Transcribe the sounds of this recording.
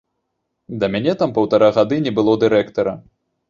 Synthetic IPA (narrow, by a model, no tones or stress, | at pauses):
d̪ɐmʲanʲɛt̪ampɐwt̪aɾaɣad̪ɨnʲɛbɨlˠɔd̪ɨɾɛkt̪ɐɾɐ